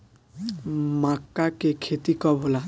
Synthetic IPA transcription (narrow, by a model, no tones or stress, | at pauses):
makːakekʰet̪ikɔbola